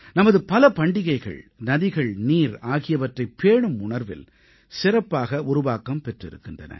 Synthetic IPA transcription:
nɐmɐðɯpɐlɐpɐɳɖɪɣɐɪɣɐ̰ɭnɐðɪɣɐɭniːɾaːɣɪjɐʋɐʈrɐɪpːeːɳɯmʊɳɐɾʋɪ̰l | sɪɾɐpːaːɣɐʔʊɾʊʋaːkɐmpɛʈrɪɾɯ̰kːɪndrɐ̰nɐ̰

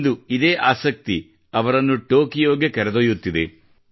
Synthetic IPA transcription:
d̪uid̪e̞ːʔaːsɐk̚t̪i | ɐʋɐɾɐnːuʈo̞ːkijoːɡekɐɾɐd̪ojut̪ːid̪ḛ

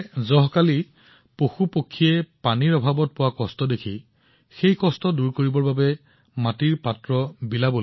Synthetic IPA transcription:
zɔɦkali | poxupokʰːiɛpaniɹɔbʱabɔt̚pʊwakɔstɔdekʰi | xejkɔstɔduɹkoɹibɔɹbabɛ | matiɹpatɹɔbilabol

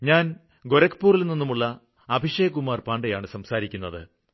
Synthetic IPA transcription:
ɲaːn | ɡo̞ɾɐkːpːuːrilninːumuɭːɐː | bʱiʂejɐk̬ːumaːrpaːɳɖɐjaːɳɨsɐmsaːɾikʲːunːɐðɨ̰

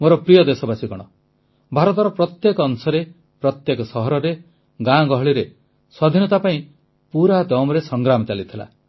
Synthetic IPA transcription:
moɾɔpɾijɔd̪esɔbasikɔɽ̃ɔ | bʱaɾɔt̪ɔɾɔpɾɔt̪jekɔːnsɔɾe | pɾɔt̪jekɔsɔɦɔɾɔɾe | ɡãɡɔɦɔɭiɾe | sɔd̪ʱinɔt̪apaĩ | puɾad̪ɔmɔɾesɔŋɡɾamɔt͡ʃalit̪ʰila̰

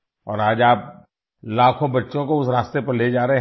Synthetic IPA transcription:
ɔːɾaːd͡ʒaːp̚ | laːkʰõbɐtːʃõkoʊsɾaːst̪epɐɾled͡ʒaːɾəɦe

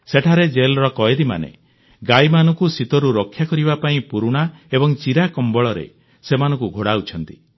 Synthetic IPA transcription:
seʈʰaɾed͡ʒelɾɔkɔed̪ima̰nḛ | ɡajmanɔŋkusit̪ɔɾuɾɔkʰːjakɔɾibapaĩpuɾuɽ̃aebɔŋt͡ʃiɾakɔmbɔɭɔɾḛ | semanɔ̃ŋkuɡʱoɽaut͡ʃʰɔnt̪i

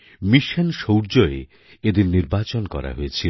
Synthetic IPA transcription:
miʃanʃowɾd͡ʑoe | ed̪inniɾbat͡ɕonkɔ̰ɾa̰ɦojet͡ɕʰi

